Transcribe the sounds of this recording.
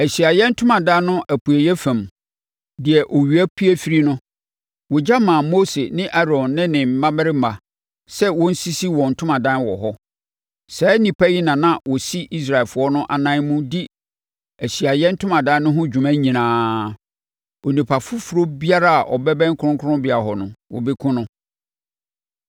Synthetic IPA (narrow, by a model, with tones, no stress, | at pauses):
æ˨ɕi˨a˨jɛ˦n̩˦tʰʊ̃˦mã˨dã˦nʊ̃˦ʔæ˨pʰu˨æ˨jɛ˦fæ̃˨m | dɪ˨ɛ˨ʔɔ˨ɥi˨æ˦kʰi˦æ˦fi˦ɾi˦nʊ̃˦ | wɔ˨d͡ʑa˦mã˨mo˦se˨nɪ̃˦ʔa˦ɾɔ̃˨nːɪ̃˦nɪ̃˨m̩˨mã˦mɪ˦ɾɪ˦˨a˨ | sɛ˦wɔ̃˦n̩˦si˦si˦wɔ̃˨n̩˨tʰʊ̃˦mã˨dã˦n˦wɔ̰˨ɦɔ˦ | sɛː˨˦nĩ˨pʰæ˦ji˦nã˨nã˦wɔ˨si˦i˦s̬ɾa˨ɪ˨fʊ˨˦ɔ˦nʊ̃˦ʔa̰˨nã˦nmũ˦di˦ | æ˨ɕi˨a˨jɛ˦n̩˦tʰʊ̃˦mã˨dã˦nʊ̃˦ɦʊ̃˦d͡ʑᶣu˨mã˦ɲĩ˨nãː˨˦ | o˨nĩ˨pʰa˨fʊ˦fɾo˦bi˦a˦ɾa˦a˨ʔɔ̰˨bɛ˦bɛ̃˦ŋ̩˦kʰʊ˦ʊ̃˦ŋ˦kʰʊ˦ʊ̃˦bɪ˨a˨ɦɔ˨nʊ̃˨wɔ̰˨bɪ˦kʰʊ̃˦nʊ̃˦